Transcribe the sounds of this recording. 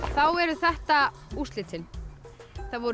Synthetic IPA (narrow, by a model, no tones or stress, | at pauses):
θawɛɾʏθɛht̪a | ust̪lɪt̪ʰɪn | θaðvɔɾ